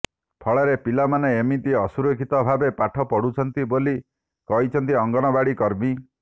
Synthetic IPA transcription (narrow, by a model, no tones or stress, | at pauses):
pʰɔɭɔɾepilamaneːmit̪iɔsuɾokʰit̪ɔbʱabepaʈʰɔpɔɽut͡ʃʰɔnt̪iboli | kɔɦit͡ʃʰɔnt̪iɔŋɡɔñɔbaɽikɔɾmi